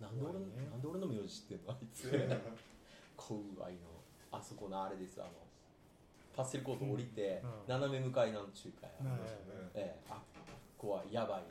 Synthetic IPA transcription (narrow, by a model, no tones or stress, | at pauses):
nãnd̪eo̞ɾenãnd̪e̞oɾenaomojo̞ːʑiɕi̥t̪ːeɯ̟nːoait͡sɨ | kʰoɯa̰ino̞̰ | aso̞ko̞naːɾe̞d̪e̞sɨa̰no̞̰ | pase̞ɾɯ̟ko̞ːt̪oːɾʲit̪e̞naname̞mɯ̟kainanot͡ɕɨːkʰa̰ja̰ | eako̞βaijabai